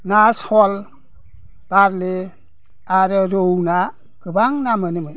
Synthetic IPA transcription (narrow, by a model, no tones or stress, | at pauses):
nashɔl | b̥aɾle | aɾəɾowna | kəbaŋnamənimən